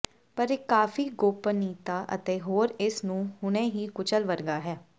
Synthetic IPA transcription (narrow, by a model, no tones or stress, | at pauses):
pəɾekːaːfʰiːɡoːpəniːt̪aːʔə̰t̪eːɦoːɾɪsnũːɦʊnɛ̃ːɦiːkʊt͡ʃəlʋəɾɡaːɦɛː